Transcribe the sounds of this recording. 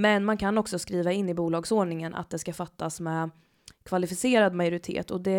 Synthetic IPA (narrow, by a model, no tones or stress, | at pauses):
mɛnmankʰanɔksɔskɾiːvaɪnːɪbuːlɑːɡsoːɳɪŋənʔa̰t̪̚d̪ɛskafat̪ːasmɛ | kʰvalɪfɪseːɾad̪majʊɾɪt̪ʰḛːt̪ɔd̪ɛ